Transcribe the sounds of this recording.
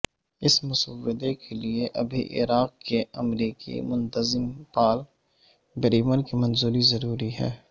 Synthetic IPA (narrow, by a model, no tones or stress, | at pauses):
ɪsmʊsəwːɪd̪ekelieʔɐbʱḭʔɪ̰ɾaːq̚kːeɐmɾiːkḭmʊ̃nt̪əzɪmpaːl | bəɾiːmənkimɐnzuːɾizɐɾuːɾiɦɛ̰ː